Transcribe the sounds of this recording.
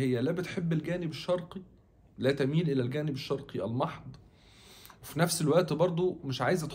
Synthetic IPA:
ejːælæbet̪ħebːelɡæːnebeʃːɑɾˤqi | læːt̪æmiːnʔelælɡæːnɪbeʃːɑɾˤqiʔæ̰lmɑħd̪ˤ | wefinæfselwæʔt̪bɑɾˤd̪ˤomeʃʕaːjezæt̪

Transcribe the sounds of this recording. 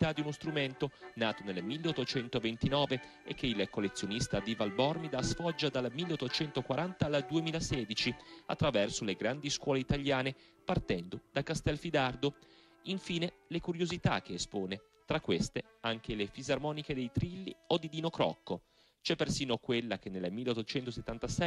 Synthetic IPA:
it̪ad̪ːiunost̪ɾument̪onaːt̪onelmilːeot̪ːot͡ʃɛnt̪ovent̪inɔːve | ḛk̟ːeilkolːet̪sːjonist̪aviːvalbɔrmid̪asfɔd͡ʒːad̪almilːeot̪ːot͡ʃɛnt̪okwaɾant̪aːld̪uemiːlasɛːd̪it͡ʃia̰t̪ːɾavɛrsoleɡɾand̪iskwɔːleit̪aljaːne | part̪ɛnd̪od̪̥akast̪ɛlfid̪ard̪o | iɱfiːne | lekuɾjozit̪a̰k̟ːeːspoːne | t̪ɾakːwest̪e | aŋk̟elefizarmɔːniked̪ejt̪ɾilːiod̪ːid̪inokɾɔ̰kːo | t͡ʃɛpːersiːnokwelːak̟enːelmilːeot̪ːot͡ʃɛnt̪oset̪ːant̪asɛ

